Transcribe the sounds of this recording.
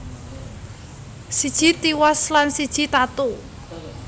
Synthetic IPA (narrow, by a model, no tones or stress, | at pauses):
sid̥ʒ̥i̤t̪iwaslansid̥ʒ̥i̤t̪at̪u